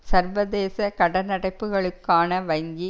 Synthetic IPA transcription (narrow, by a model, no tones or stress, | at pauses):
sɐɾʋɐðeːsɐkɐɽɐnɐɽɐɪpːɯɣɐɭɯkːaːnɐʋɐɪŋɡi